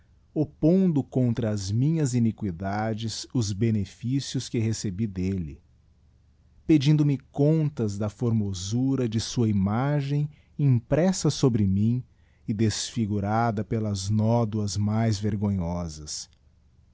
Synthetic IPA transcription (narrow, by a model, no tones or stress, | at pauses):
opõnd̪ʊkõnt̪ɾɐːzmĩɲɐzinikwid̪ad͡ʒɪzʊzbenefisiʊskɪɦesebid̪elɪ̰ | ped͡ʒĩnd̪ʊmɪkõnt̪ɐzd̪ɐfoɾmozuɾɐd͡ʒɪsuɐimaʒẽj̃ | ĩpɾɛsɐsobɾɪmĩ | ɪd̪esfiɡuɾad̪ɐpelɐznɔd̪uɐzmajzveɾɡõɲɔzɐs